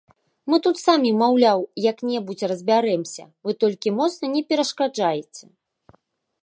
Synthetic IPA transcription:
mɨt̪ut̪samʲimawlʲawjɐknʲɛbut͡sʲrɐzʲbʲaɾɛmsʲɐ̰vɨt̪ɔlʲkʲimɔt̪snɐnʲɛpʲɛɾɐʂkad͡ʐajɛt͡sʲɛ

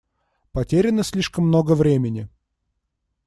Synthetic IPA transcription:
pɐtʲeɾʲɪnəsʲlʲiʂkəmːno̞ɡəvɾʲemʲɪnʲɪ

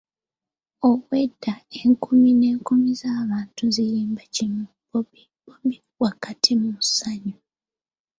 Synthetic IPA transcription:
owwedːaeŋkumine̞ːŋkumizaːβaːntuzijiːmbacinu | bi | bombi | wakatʰimusaɲu

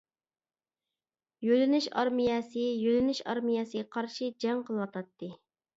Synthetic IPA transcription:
jølɪnɪʃɑ̰ɾmijɛsɨjølɪnɪʃɑ̰ɾmijɛsɨɡʲɛqʰɑɾʃid͡ʒɛŋqʰəlˠwɑt̪ʰɑt̪ːɨ

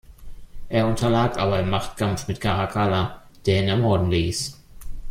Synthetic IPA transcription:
ʔeːɐʊntʰɐlaːkʰʔaːbɐɪmaχtkʰamfmɪtkʰaʁakʰaːla | d̥eːɐinɛmɔɐdn̩liːs

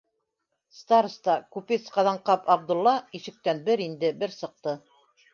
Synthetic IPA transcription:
st̪ɑɾst̪ɑkupit̪sqɑðɑɴqɑpɑb̚d̪ŭlˠːɑiʃɘ̆k̚t̪ænbɘɾind̪ɘbɘɾsɤ̆q̚t̪ɤ

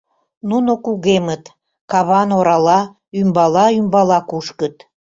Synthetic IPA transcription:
nunokuɣemət̪ | kɑβɑnoɾɑlɑ | ymbɑlɑymbɑlɑkuʃkət̪

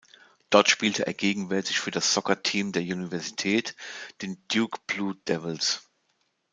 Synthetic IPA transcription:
d̥ɔɐtʃpiːltʰəʔḛːɐɡeːɡŋ̩vɛɐtɪçfyːɐdasz̥ɔkɐtʰiːmdeːɐʔunivɛɐzitʰɛːtd̥eːnd̥juːkb̥luːd̥ɛvəls

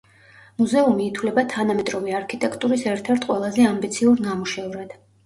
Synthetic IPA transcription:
muzɛumiːt̪ʰwvlɛbat̪ʰanamɛt̪ʼɾɔviaɾkʰit̪ʼɛkʰt̪ʼuɾisɛɾt̪ʰɛɾt̪ʰqʼwɛlˠazɛambit̪sʰiuɾnamuʃɛvɾad̪̥

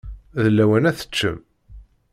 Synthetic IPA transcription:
ðəlːæwænæθə̥t͡ʃːə̰m

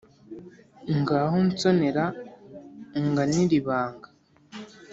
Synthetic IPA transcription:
ŋɡaːɦont͡soneɾa | ŋɡaniɾiβaːŋɡa

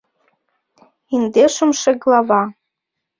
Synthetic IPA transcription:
ind̪eʃə̆mʃeɣlˠɑvɑ

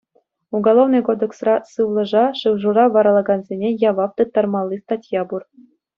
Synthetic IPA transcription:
uɡolˠovnɤ̆jkod̪ĕksrɑsɯʋlˠɤ̆ʐɑʂɯwʐurɑʋɑɾɑlˠɑɡɑnzʲenʲejɑʋɑft̪ɯt̪ːɑrmɑlˠːist̪ɑtʲjɑbur

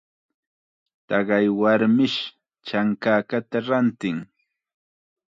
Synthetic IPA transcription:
t̪ɑɢɑjwaɾmɪʃ | t͡ʃaŋkaːkat̪aɾant̪ɪŋ

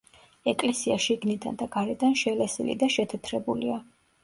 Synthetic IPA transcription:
ɛkʼlɛsiaʃiɡnid̪a̰nd̪aɡaɾɛd̪anʃɛlɛsḭlḭd̪aʃɛt̪ʰɛt̪ʰɾɛbulia

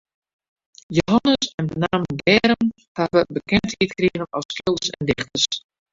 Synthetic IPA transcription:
joɦɑnəsɛndənaːmdɛːɾən | haʋəbəkɛnthitkriːvənɔskɪlˠdəsɛ̰ndɪχtəs

